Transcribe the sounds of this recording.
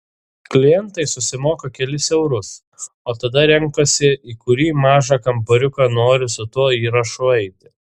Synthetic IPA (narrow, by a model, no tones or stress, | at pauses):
klʲɪjɛnt̪ɐɪsʊsʲɪmoːkɐkʲɛlʲɪsɛʊɾʊs | oːt̪ɐd̪ɐɾʲɛŋˑkɐsʲɪiːkʊɾʲiːmɑːʒɑkɐmbɐɾʲʊkɐnoːɾʲɪsʊt̪uɔiːɾɐʃʊɛɪt̪ʲɪ